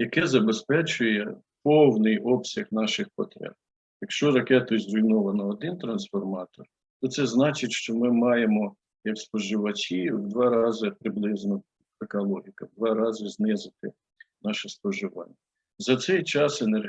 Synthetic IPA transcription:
jɐkɛzɐbespɛt͡ʃʊjɛ | pɔwnɪjʔɔpsʲɐɣnɑʃɪxpɔt̪ɾʲɛ̰b̚ | jɐkʃt͡ʃɔɾɐkɛt̪ʊzɾʊjnɔʋɐnɐːd̪ɪnt̪ɾɐnsfɔrmɑt̪ɔr | t̪ɔt̪sɛznɑt͡ʃɪtʲʃt͡ʃɔmɪmɑjemɔ | jɐkspɔʒɪʋɐt͡ʃʲiwd̪ʋɑɾɑzɪpɾɪblˠɪznɔ | ekɐlˠɔɦʲikɐd̪ʋɑɾɑzɪznɪzɪt̪ɪ | nɑʃɛspɔʒɪʋɑ̰nʲːɐ | zɐt̪sɛjt͡ʃɑsener

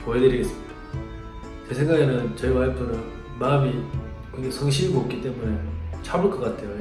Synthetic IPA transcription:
mʌedɯɾiɡes͈ɯmid̥a | t͡ɕesʰeŋɡaenɯnt͡ɕʌiɡahaɭpʰonɯn | mamikɯŋɡesʰoŋɕ̬ʰiiɡoːp̚k͈it͈e̞mune̞t͡ɕʰabuɭk͈ʌk͈atʰe̞jo

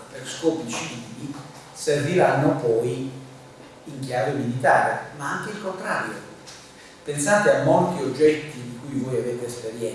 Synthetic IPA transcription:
perskɔːpit͡ʃivili | servilanːopɔj | iŋkjaːvemilit̪aːɾemaaŋk̟eilkont̪ɾa̰ːɾjo̰ | pensaːt̪eamːolt̪iod͡ʒːɛt̪ːid̪ikujvojaveːt̪eːspeɾjɛ

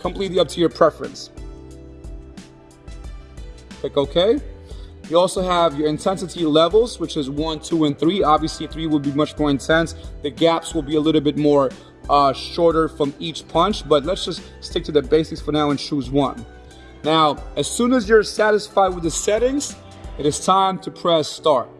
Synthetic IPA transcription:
kʰə̃m̩pʰl̥itˡliʌp̚tʰɨjə˞pʰɹ̥ɛfɹɨ̰̃ns | tʰeɪkoʊkʰeɪ | jɨɔlˠsoʊəvjə˞ɨ̃ntʰɛ̃nsɨɾilɛvl̩ˠzwət͡ʃɨzwʌ̃ntʰuɨ̃nθɹiɑbviɨsliθɹiwəd̚ˠbimʌt͡ʃmɔɹɨ̃ntʰɛ̃nsðɨɡæpswəlˠbiəlɪɾl̩ˠbɪt̚mɔɹ | ʃɔɹɾə˞fɹʌ̃mit͡ʃpʰʌ̃nt͡ʃb̥ʌt̬ˡlətsd̥ʒ̥ʌst | stɪk̚tʰɨðɨbeɪsɨksfə˞naʊɨ̃nʃʰuzwʌ̰̃nː | aʊɨz̥sũnɨzjə˞sæɾɨsfaɪd̚wəðɨsɛɾɪ̃ŋz̥ | ɨɾɨz̥tʰãɪ̃mtʰɨpʰɹ̥ɛstɑɹt̚

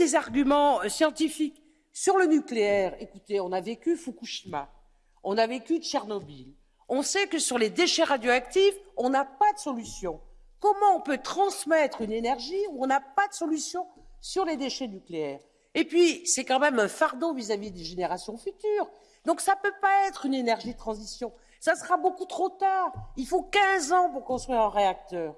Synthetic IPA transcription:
ezaʁɡʲymɑ̃sjɑ̃t̪ifik | syʁlənykleɛːʁekut̪eɔ̃navekʲyfukuʃi̥ma̰ | ɔ̃navekʲyt͡ʃɛʁnɔbil | ɔ̃sɛkəsyʁled̪eʃɛʁad̪joakt̪ifɔ̃napad̪əsɔlysjɔ̃ | kɔmɑ̃ɔ̃pøt̪χɑ̃smɛt̪χynenɛʁʒiuɔ̃napad̪əsɔlysjɔ̃syʁled̪eʃɛnykleɛːʁ | epɥisɛkɑ̃mɛmɛ̃faʁd̪ɔ̃vizavid̪eʒeneʁasjɔ̃fyt̪yːʁ | d̪ɔ̃ksapøpaɛt̪χynenɛʁʒid̪ət̪χɑ̃zisjɔ̃ | sasəʁabokut̪χot̪aːʁilfokʲɛ̃zɑ̃puʁkɔ̃st̪χɥiʁɛ̃ʁeak̚t̪œːʁ

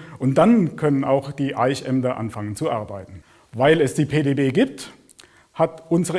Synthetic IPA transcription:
ʔʊnt̚d̥ankʰœnəna̰ʊxd̥iːʔaɪçʔɛmdɐʔa̰nfaŋənt͡suʔaɐbaɪtn̩ | vaɪlɛsd̥iːpʰeːdeːbeːɡiːp̚t | hatʔʊnzəʁə

